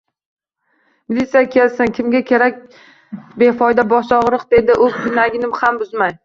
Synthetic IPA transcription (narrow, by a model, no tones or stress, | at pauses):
mɪlit̪sijakʲʰe̞lsɪnkʲʰɪmɡʲakʲʰe̞ɾak̚ʲ | be̞fɒjd̪abɒʃɒʁɾɨqd̪e̞d̪ɪʔɵ̥kʰʊnaɡʲɪnɪmhambʊzmaj